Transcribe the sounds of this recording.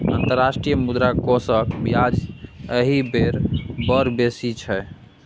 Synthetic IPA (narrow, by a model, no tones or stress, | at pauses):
ə̰nt̪əɾːasʈɾijəmud̪ɾakosəkbijad͡ʒəɦibeɾbəɾbesit͡ʃʰɛ